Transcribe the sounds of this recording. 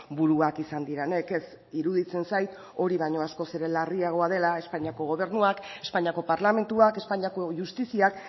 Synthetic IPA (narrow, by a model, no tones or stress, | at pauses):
buɾuakisand̪iɾene̞ke̞s | iɾuð̞it͡se̞nsajt̪ | o̞ɾiβajɲo̞asko̞seɾe̞lariaɣ̞o̞að̞e̞lae̞spaɲiako̞ɣ̞o̞β̞e̞ɾnuake̞spaɲako̞paɾlame̞nt̪uake̞spaɲako̞ʝust̪isiak